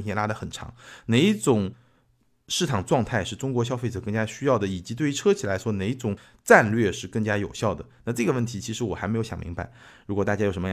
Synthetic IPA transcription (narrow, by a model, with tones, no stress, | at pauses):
nʰɛ˥˧la˥d̪ə˨xə˨˩nʈ͡ʂʰɑ̰˧˥ŋne˨˩ɪi˥˩ʈ͡ʂʊ˨˩ŋ | ʂɻ̩˥˩t̪ʰɑ˨˩ŋʈ͡ʂwɑ˥˧ŋt̪ʰa˥˧ɪʂɻ̩˥˩ʈ͡ʂʊ˥ŋkwɔ˧˥ɕ̬jɑ˥ʊfe˥˩ɪʈ͡ʂɤ˨˩kɤ˥˩ŋt͡ɕja˥ɕy˥jɑ˥˩ʊd̪ə˩i˨˩t͡ɕi˧˥t̪we˥˩ɪ˧˥ʈ͡ʂʰɤ˥t͡ɕʰi˨˩la˧˥ɪʂwɔ˥ne˨˩ɪi˥ʈ͡ʂʊ˨˩ŋ | ʈ͡ʂa˥˧nlɥɛ˥˧ʂɻ̩˥˧kɤ˥˩ŋt͡ɕja˥jo˨˩ʊɕjɑ˥˩ʊd̪ə˩na˥˧ʈ͡ʂɤ˥˩ɡə˩wə˥˩nt̪ʰi˧˥t͡ɕʰi˧˥ʂɻ̩˧˥wɔ˨˩xa˧˥ɪm˧˥jo˧˥ʊjɑ̰˨˩mḭ˧˥ŋba˧˥ɪɻu˧˥kwɔ˨˩t̪a˥˩t͡ɕja˥jo˨˩ʂə˧˥mə˧˥